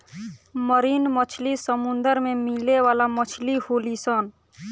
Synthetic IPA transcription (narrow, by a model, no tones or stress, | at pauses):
məɾiːnmət͡ʃʰlisəmʊnd̪əɾmẽmileʋaːlamət͡ʃʰlihoːlisən